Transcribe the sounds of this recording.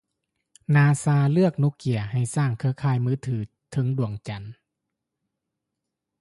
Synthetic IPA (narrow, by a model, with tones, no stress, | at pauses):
naː˧saː˧lɯ˥˩ək̚nu˧˥ki˨˩ɐha˨˩jsaː˧˩ŋkʰɯ˧ɐkʰaː˧˥˩jmɯː˧˥˦t̪ʰɯː˩˦ | t̪ʰɤ˧˦ŋdu˨˩əŋt͡ɕa˨˩n